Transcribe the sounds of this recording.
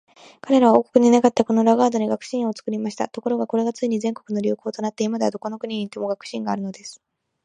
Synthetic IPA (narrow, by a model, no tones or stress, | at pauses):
kaɾe̞ɾaβo̞ːko̞̥kɯ̟ɲ̟inakat̪ːako̞no̞ɾaɡaːd̪oɲ̟iɡakɯ̟̥ɕĩɰ̃ot͡sɨ̥kɯ̟ɾʲimaɕi̥t̪a̰t̪o̞koɾo̞ɡako̞ɾe̞ɡat͡sɨiɲ̟izẽ̞ŋko̞kɯ̟no̞ɾʲɨːko̞ːt̪o̞nat̪ːe̞imad̪ed̪o̞ko̞no̞kɯ̟ɲ̟iɲ̟iːt̪ːe̞mo̞ɡakɯ̟̥ɕĩŋɡaːɾɯ̟no̞d̪e̞sɨ̥